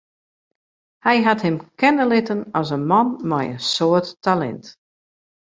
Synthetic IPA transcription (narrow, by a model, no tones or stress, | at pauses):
hɛjɦathɪmkʰɛnəlɪtənɔszənmanmɛjə̰nsoətːalɛ̰nt